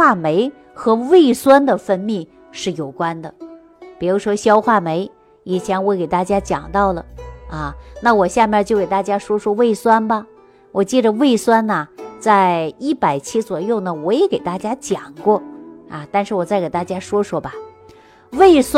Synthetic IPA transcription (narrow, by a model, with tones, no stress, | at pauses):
wa˥˩me˧˥ɪ | xɤ˧˥we˥˩ɪswa˥nd̪ə˨fə˥nmi˥˩ | ʂɻ̩˥˩jo˨˩ʊkwa˥nd̪ə˨ | pi˨˩ɻu˧˥ʂwɔ˥ɕjɑ˥ʊxwa˥˩me˧˥ɪ | i˨˩t͡ɕʰjɛ˧˥nwɔ˧˥ke˨˩ɪt̪a˥˩t͡ɕja˥t͡ɕjɑ̰˨˩ŋt̪ɑ˥˩ʊlə˩ɐ˧˩na˥˩wɔ˨˩ɕja˥˧mʲjɛ˥˧t͡ɕjo˥˩ʊke˨˩ɪt̪a˥˧˩t͡ɕja˥ʂwɔ˥ʂwɔ˥we˥˩ɪswa˥nbɐ˨ | wɔ˨˩t͡ɕɛ˥˩ʈ͡ʂə˩we˥˩ɪswa˥nɐ˨t͡sa˥˧ɪi˥˩pa˨˩ɪt͡ɕʰi˥t͡swɔ˨˩jo˥˩ʊnə˩wɔ˧˥jɛ˨˥ke˨˩ɪt̪a˥˩t͡ɕja˥t͡ɕjɑ˨˩ŋkwɔ˥˩ɐ˧˩t̪a˥˧nʂɻ̩˥˩wɔ˨˩t͡sa˥˩ɪke˨˩ɪt̪a˥˩t͡ɕja˥ʂwɔ˥ʂwɔ˥bɐ˨ | we˥˩ɪs